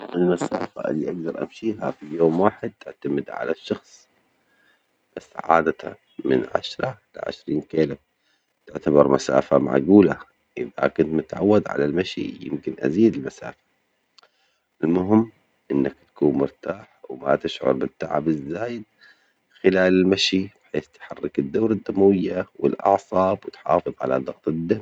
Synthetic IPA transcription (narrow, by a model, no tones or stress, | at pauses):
ʔɪlmasaːfa̰ʔɪlːiʔaɡd̪ɑɾˤʔa̰mʃiːɦa̰fijoːmwaːħɪd̪̚t̪ɪʕt̪amɪd̪ʕa̰laʃːɑxsˤ | b̥asːʕa̰ːd̪at̪a̰ | mɪnʕa̰ʃɾˤɑlɪ̰ʕɪ̰ʃɾiːnkeːla | t̪ɪʕt̪abɑɾˤmasa̰ːfama̰ɡuːla | ʔɪða̰kʊnt̪mʊt̪ʕawːad̪ʕa̰lalmaʃḭjɪ̰mkɪnʔa̰ziːd̪ɪlmasa̰ːfḁ | ʔɪlmʊɦɪmː | ʔɪnːakt̪ḁkuːnmʊɾt̪aːħwma̰t̪ɪʃʕʊ̰ɾˤbɪt̪ːaʕa̰bɪzːaːjɪd̪̚ | xɪlaːlɪlmaʃib̥ħeːθt̪ħɑrˤːɪkɪd̪ːaːɾad̪ːamawɪjːawɪlʔɑ̰ʕsˤɑːbwɪt̪ħɑ̰ːfɨðˤʕa̰la̰d̪ˤɑɣt̪ˤɪd̪ːam